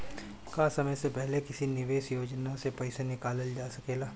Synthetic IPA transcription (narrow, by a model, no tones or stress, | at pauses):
kaːsɐməjsepɛɦlekɪsinɪʋeːʃjoːd͡ʒnasepɛːsenɪkaːləld͡ʒaːsɐkeːɡaː